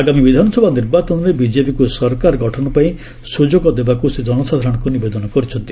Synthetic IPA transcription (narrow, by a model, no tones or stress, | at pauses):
aɡamibid̪ʱanɔsɔbʱaniɾbat͡ʃɔnɾebid͡ʒepikusɔɾkaɾɡɔʈʰɔnɔpaĩ | sud͡ʒɔɡɔd̪ebakused͡ʒɔnɔsad̪ʱaɾɔɽ̃ɔkunibed̪ɔnɔkɔɾit͡ʃʰɔnt̪i̥